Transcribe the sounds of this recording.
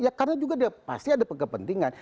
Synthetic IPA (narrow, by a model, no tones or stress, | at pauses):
jakarənad͡ʒuɡadiapa̰st̪iadapəkəpənt̪iŋan